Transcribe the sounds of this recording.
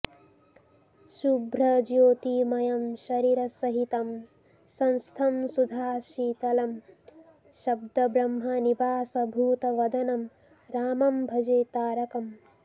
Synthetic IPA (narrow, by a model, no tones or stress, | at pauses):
ʃubɾɐd͡ʒjoːt̪iːmɐjɐmʃɐɾiːɾɐsɐɦit̪ɐm | sɐnst̪ʰɐmsud̪ʱaːʃiːt̪ɐlɐm | ʃɐbd̪ɐbɾɐmɦɐnibaːsɐbʱuːt̪ɐʋɐd̪ʱɐnɐm | ɾaːmɐmbʱɐd͡ʒeːt̪aːɾɐkɐm